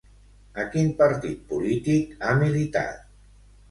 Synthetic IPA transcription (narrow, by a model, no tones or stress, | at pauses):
əkinpəɾt̪it̪̚pulit̪ikamilit̪a̰t̪̚